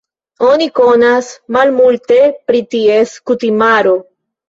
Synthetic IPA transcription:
o̞niko̞nasmalmulte̞pɾitie̞skutimaɾo̞

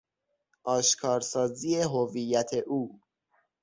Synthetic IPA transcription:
ʔɒːʃkʰɒːɾsɒːziːeɦovijːæt̪ʰe̞ʔuː

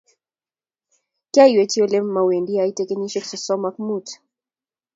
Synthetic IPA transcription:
kaiwɛt͡ʃiɔlɛm̩mawendiaitɛkeniʃɛksɔsɔmakmut

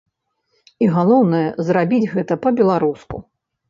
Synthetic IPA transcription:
iɣalˠɔwnɐjɛzɾabʲid͡zʲɣɛt̪ɐpɐbʲɛlˠaɾuskṵ

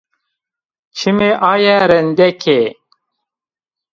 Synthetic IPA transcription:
t͡ɕʰimeʔaːjæɾənd̪ekʰe

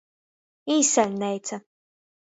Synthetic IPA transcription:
iːsɛlʲnɛjt̪sa

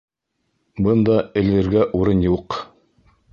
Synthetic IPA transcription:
bɤnd̪ɑɘ̆lɘ̆ɾɡæʔuɾɤnjuq

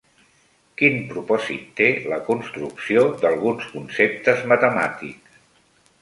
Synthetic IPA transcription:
kinpɾupɔzḭt̪ːeləkunst̪ɾuksiod̪əlˠɣunskunsep̚t̪əzmət̪əma̰t̪ḭks

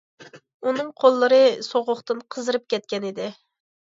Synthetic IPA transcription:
unɨŋqʰolˠːəɾɨsoʁʊχt̪ɨnqʰəzɨɾɨp̚kʲɛt̪̚kʲɛnɪd̪ɪ

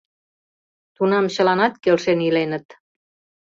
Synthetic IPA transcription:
t̪unɑmɕə̆lɑnɑt̪kelʃenilenə̆t̪

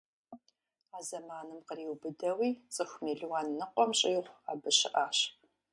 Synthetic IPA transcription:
aːzɐmaːnɨmqəriːwbɨdɐwiːt͡sʼɨxʷmiːɮwaːnːɨqʷʼɔmɕʼɪjʁʷaːbɨɕɪ̰ʔaːɕ

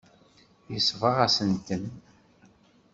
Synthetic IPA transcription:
jisvɑʁæsənt̪ən

